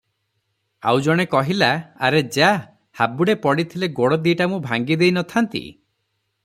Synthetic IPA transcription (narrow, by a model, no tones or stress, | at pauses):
a̰wd͡ʒɔɽ̃ekɔɦilaa̰ɾed͡ʒa | habuɽepɔɽit̪ʰileɡoɽɔd̪iʈamũbʱaŋɡid̪ejnɔt̪ʰant̪ḭ